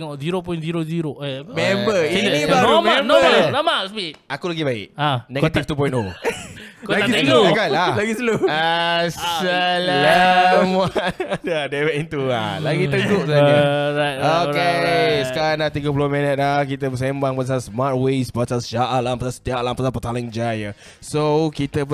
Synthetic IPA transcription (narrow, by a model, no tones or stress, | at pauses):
ŋɔziɾop̬ɔjnziɾoziɾopmɛmbəinniaɔmɛãmənamaspitakulaɡibaɪ̰ʔanɛ̃ɡət̪ift̪up̬ɔj̃nto | klaɡislokaalaɡisluasəlləmwaadɛwɛʔĩnt̪ua̰laɡit̪əɡuʔsaniaoeskaɾanat̪iɡəpulumɛ̃nət̪̚lakit̪əbəs̬ẽmbaŋpəs̬asmat̪̚wesbasasd͡ʒaʔalãmpəsasə̥t̪iaʔlampəsapət̪alə̃ŋd͡ʒajə | sokit̪ə